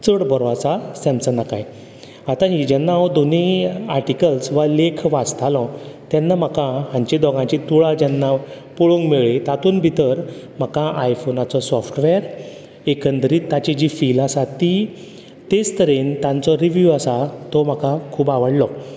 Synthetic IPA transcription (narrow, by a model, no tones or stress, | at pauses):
t͡səɽbɔɾat͡sasɛ̃msənakaj | at̪ãɦid͡ʑɛnːaɔd̪oniaɾʈikəlsʋalekʰʋad͡zt̪ʰalɔ̃t̪jɛnːam̤əkaɦãɲt͡ɕid̪ɔɡãt͡ɕit̪uɭad͡ʑɛnːa | puɭuŋɡmeɭit̪at̪uːnbʱit̪əɾ | m̤akaʔajfonat͡sɔsɔfʈʋɛɾ | ekənd̪ɾit̪ːat͡ɕid͡ʑifilasat̪i | t̪ed͡zt̪əɾint̪ãnt͡sɔɾiʋjuasat̪ɔm̤akakʰuːbaʋəɽlɔ